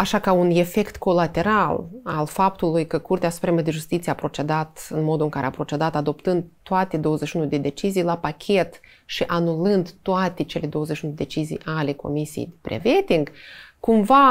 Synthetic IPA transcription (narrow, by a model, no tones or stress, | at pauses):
aʃakaune̞fe̞kt̪ko̞lat̪e̞ɾalalfap̚t̪ulujkəkurt̪easu̥pɾe̞məd̪eʒust̪it̪sieapɾo̞t͡ʃe̞d̪at̪ɨnmo̞d̪uɨŋkaɾeapɾo̞t͡ʃe̞d̪at̪ad̪o̞pt̪ɨnd̪̚t̪ːoat̪e̞d̪o̞wəzeʃiunud̪e̞d̪e̞t͡ʃizijlapakʲʰe̞t̪ | ʃiʔanulɨnd̪t̪oat̪e̞t͡ʃe̞led̪o̞wəzeʃʲiunud̪ed̪et͡ʃizḭjʔale̞ko̞̰misijḛjd̪epɾḛvet̪iŋɡkumva